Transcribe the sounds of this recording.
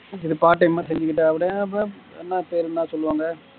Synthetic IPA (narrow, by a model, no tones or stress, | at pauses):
ɪðɯpaːʈːɐɪmːaːsɛɲd͡ʒɯkːɪʈːɯɐʋɐɽɐɐpːɐ | ɛnːãːpeːɾnãːsɔlːɯʋaːŋɡɐ